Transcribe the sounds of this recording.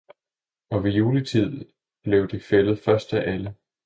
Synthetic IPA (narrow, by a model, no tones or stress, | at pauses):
ɒ̽ʋe̝juːlət͡sʰið̞̰ˠ | b̥le̝ʊd̥e̝felð̞̩ˠfɶɐsd̥æʔælə